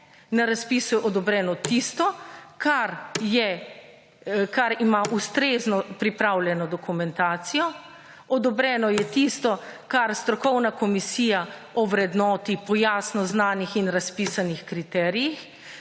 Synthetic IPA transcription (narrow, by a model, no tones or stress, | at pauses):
naɾaspiːsujɛʔɔd̪ɔbɾɛːnɔt̪ist̪ɔkʰaɾjɛ | kaɾimaʔust̪ɾeːznɔpɾipɾawlʲjɛnɔd̪ɔkumɛ̃nt̪aːt̪sijɔ | ɔd̪ɔbɾɛnɔjɛt̪ist̪ɔkaɾst̪ɾɔkɔwnakɔmisiːjaɔʋɾɛd̪nɔːt̪ipɔjaːsnɔznaːnixinɾaspiːsanixkɾit̪ɛːɾijix